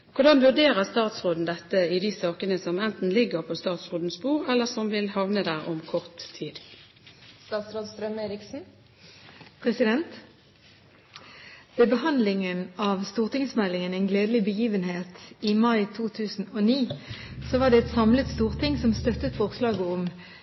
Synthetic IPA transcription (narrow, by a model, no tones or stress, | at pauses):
kʰʊʁd̪ɑnʋʉʁd̪eːʁəʁst̪ɑːt̪sʁoːd̪n̩d̪ɛt̪ːəɪd̪iːsɑːkənəsɔmɛnt̪n̩lɪɡəʁpʰoːst̪ɑːt̪sʁoːd̪n̩sbuːʁɛlːəsɔmʋɪlhɑʋnəd̪æːʁɔmkʰɔʁt̪ʰːiːd̪ | st̪ɑːt̪sɾoːd̪st̪ɾœmeːɾɪksn̩ | pʰʁɛsɪd̪ɛnt̪ | ʋeːbəhɑnd̪lɪŋənɑːʋst̪uːʁt̪ɪŋsmɛlːɪŋənɛɪnɡleːd̪əlɪbəjiːʋənheːt̪imɑɪt̪ʰuːt̪ʰʉːsn̩oːniːsoːʋɑːʁd̪ɛːɛt̪sɑmlət̪st̪uːʁt̪ʰɪŋsɔmst̪œt̪ət̪fɔʁslɑːɡəɔm